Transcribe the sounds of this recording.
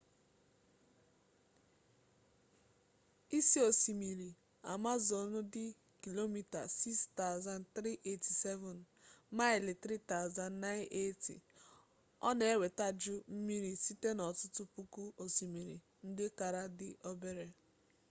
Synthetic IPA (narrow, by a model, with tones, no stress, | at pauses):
i˦si˦o˨si˨mi˨ɾi˨ | a̰˨ma˦zo˨nʊ˦dɪ˦ | ki˨lo˦mi˨ta̰˨si˦kst̪a˦ʊ˨za˦n˨t̪ɾi˦ʔe˦ti˨sɛ˦vɔ˨n | ma˦ɪ˨lɪ˨t̪ɾi˦t̪a˦ʊ˨za˦n˦na˦ɪ˦nʔe˦tḭ˨ | ɔ̰˦ne˨e˦we˨ta˦d͡ʒʊ˦m̩˦mi˦ɾi˦si˦te˦nɔ˨tʊ˦tʊ˦pu˦ku˦o˨si˨mi˨ɾḭ˨ | n̩˦dɪ˦ka˨ɾa˦dɪ˦ʔɔ˦be˦ɾe˦